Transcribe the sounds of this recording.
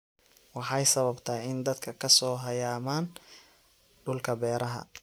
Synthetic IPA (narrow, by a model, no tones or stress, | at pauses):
wɑħɑjsɐβɐbt̪ʰɐːɪnd̪ɐd̪kʰɐkʰɐsɔːɦɐjaːmaːn | ɖʊlkʰɐbɛːɾɐɦɐ̰